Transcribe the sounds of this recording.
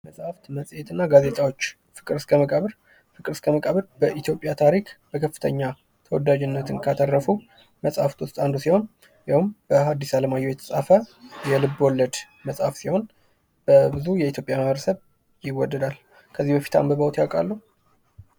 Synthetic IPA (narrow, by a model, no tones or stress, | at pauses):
məsʼhaft̪məsʼjet̪ʰɨnːaɡaze̞t̪ʼawot͡ʃː | fɨkʼɨɾɨskʰʼəməkʼəβɨɾ | fɨkʼɨɾɨskʰʼəməkʼəβɨɾbəʔit̪ʰjo̞pʼjat̪ʰaɾikb̥əkʰəfːɨt̪ʰəɲːa | t̪ʰəwɔd̪ad͡ʒɪnːət̪ʰɨnkʰat̪ʰərːəfu | məsʼhaft̪wʊst̪ʼand̪osiho̞n | jawɨmb̥əɦad̪ːisaləmajːojɛt̪ʰə̥sʼafəjɛlɨbːwɔlːəd̪ | məsʼhafsiho̞n | b̥əbɨzujɛit̪ʰjo̞pʼjaməβɾəsəβ | jɪwːɔd̪ːəd̪al | kʰəzːihbəfi̥t̪ʰa̰mbəβəwt̪jakʼalːuh